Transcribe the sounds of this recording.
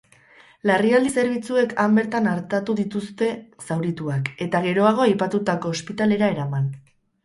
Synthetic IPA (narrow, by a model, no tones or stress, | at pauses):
lariald̪ise̞ɾβ̞it͡sue̞kʰambe̞ɾt̪anaɾt̪at̪uðit̪ust̪e̞sawɾit̪uake̞t̪aɣe̞ɾo̞aɣ̞o̞ajpat̪ut̪ako̞ːspit̪ale̞ɾae̞ɾaman